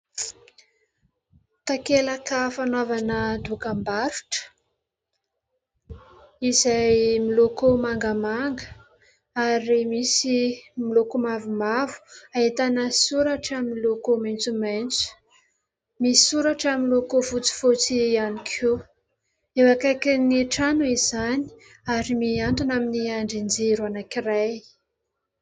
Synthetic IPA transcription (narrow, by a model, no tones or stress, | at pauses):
t̪akelakəfanavanəd̪ukambaɾu̥ʈ͡ʂə̥ | izajmilokomaŋɡəmaŋɡə | aɾimisimilokumavumavu̥aet̪anəsuɾaʈ͡ʂaminilokomajnt͡sumajnt͡su̥ | misi̥suɾaʈ͡ʂamilokovut͡si̥fot͡sianikʰu | ewakajkineʈ͡ʂanuiz̥ani̥ | aɾimiaɳɖ͡ʐanaminiaɳɖ͡ʐind͡zeɾuanakiraj